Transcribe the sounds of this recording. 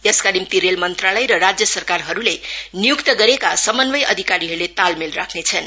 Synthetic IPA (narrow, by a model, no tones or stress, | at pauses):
jʌskalimt̪iɾelmʌnt̪ralʌjɾʌrad͡zjʌsʌrkarɦʌɾulenijukt̪ʌɡʌɾekasʌmʌnbʌjʌd̪ʱikaɾiɦʌɾulet̪almelra̰kʰnet͡sʰʌn